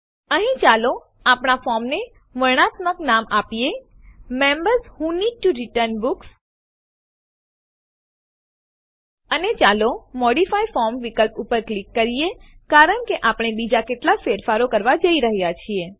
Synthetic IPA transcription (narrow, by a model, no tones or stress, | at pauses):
əɦĩt͡ʃalo | apɳ̃afɔɾmne | ʋəɳ̃at̪məknamapije | membəɾshuniʈuɾiʈəɾnbuks | ənet͡ʃalomɔɽifajfɔɾmʋikəlpupəɾklikːəɾijekaɾəɳkeʔapɳ̃ebid͡ʒakeʈlafeɾfaɾokəɾʋad͡ʒəiɾəɦjat͡ʃʰie